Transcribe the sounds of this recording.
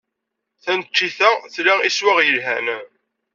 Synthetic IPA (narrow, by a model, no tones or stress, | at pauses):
θænt͡ʃːiθæθlaiswæʁjəlɦæ̰n